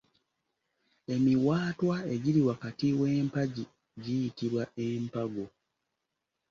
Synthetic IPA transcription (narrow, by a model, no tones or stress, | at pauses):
e̞miwaːtwae̞ɟiɾiwakatiwe̞ːmpaɟi | ɟijitiɾwaʔeːmpaɡo